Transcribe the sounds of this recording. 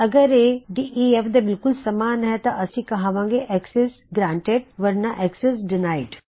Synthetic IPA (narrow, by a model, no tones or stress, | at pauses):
ɐɡəɾeɖiʔiefd̪ɐbɪlkʊlsɐmaːnɦɛt̪ɐʔɐsĩkɐɦaʋãːŋɡeʔɛkses | ɡɾãːɳʈeɖ̚ʋɐɾnɐʔɛksesɖɪnaːɪɖ